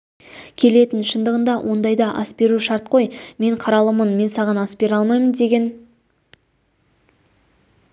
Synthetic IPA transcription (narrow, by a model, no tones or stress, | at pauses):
kʲʰe̞le̞t̪ɪnʃənd̪əʁənd̪ɑwʔo̞nd̪ɑjd̪ɑʔɑsbe̞ɾuʃɑɾt̪̚qʰo̞jme̞ɴqʰɑɾɑlˠəmənme̞nsɑʁɑnɑsbe̞ɾɑlˠmɑjmənd̪e̞ɡʲe̞n